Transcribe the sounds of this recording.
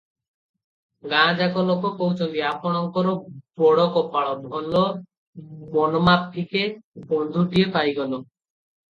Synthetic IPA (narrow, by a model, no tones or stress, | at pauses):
ɡãd͡ʑakɔlokopowt͡ɕʰond̪iapɔɽ̃ɔŋkɔɾobɔɽɔkɔpaɭɔbʱɔlo | mɔnomap̚ʰːikebond̪ʱuʈiepajɡɔlo